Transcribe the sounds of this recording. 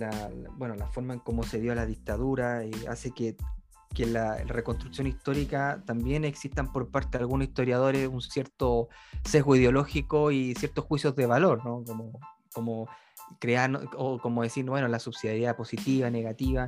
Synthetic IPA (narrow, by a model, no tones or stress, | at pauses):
labwe̞no̞lafo̞ɾmaeŋko̞mo̞se̞ðjolaðik̚t̪aðuɾaea̰se̞ke | kelare̞ko̞nst̪ɾuksjo̞nist̪o̞ɾikat̪ambje̞ne̞ksist̪ampo̞ɾpaɾt̪eðalɣunosist̪o̞ɾjað̞o̞ɾesunsjeɾt̪ose̞ɣoiðjo̞lo̞xikoisje̞ɾt̪osxwisjozðe̞βalo̞ɾno̞komo | komo | kɾeanoko̞moðe̞siɾbwenolasuβsiðjaɾiðapo̞sit̪iβane̞ɣat̪iβa